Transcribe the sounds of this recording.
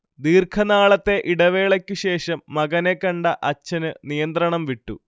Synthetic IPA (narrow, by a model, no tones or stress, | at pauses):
d̪iːrkʰɐnaːɭɐt̪ːe̞ʔiɽɐʋe̞ːɭɐkʲːuɕe̞ːʂɐmːɐɣɐnekːɐɳɖɐʔɐt͡ɕːɐnɨnijɐnt̪rɐɳɐmʋiʈːṵ